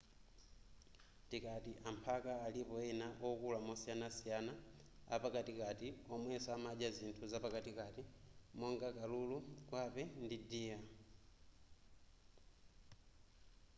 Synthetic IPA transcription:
tikatiʔampʰakaːlipɔɛnaʔɔkulamɔsianasijana | a̰pakatikatiɔmwɛsaamad͡ʒazintʰuzapakatikatimɔŋɡakalulukwapɛndidiːa

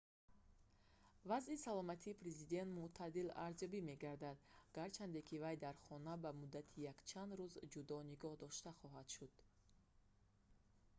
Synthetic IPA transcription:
vazisalɔmat̪ʰiːpɾe̞zid̪e̞nt̪muʔt̪ʰad̪ila̰ɾzjɔbime̞ɡaɾd̪ad̪̚ɡ̥aɾt͡ʃʰand̪e̞kʰivajd̪aɾχɔnabamud̪ːat̪ʰijakt͡ʃʰand̪ɾuzd͡ʒud̪ɔniɡɔhd̪ɔʃt̪aχɔɦad̪ʃud̪̥

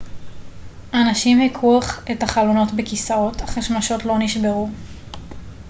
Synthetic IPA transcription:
anaʃimhikʰuaχetaχalo̞no̞tbekisaʁo̞taχaʃmaʃo̞tlo̞niʃbe̞ʁu

